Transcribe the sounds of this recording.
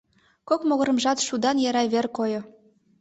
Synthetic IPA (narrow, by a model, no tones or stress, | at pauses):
kokmoɣɤ̆ɾə̆mʒɑt̪ʃud̪ɑnjɑɾɑβerkojŏ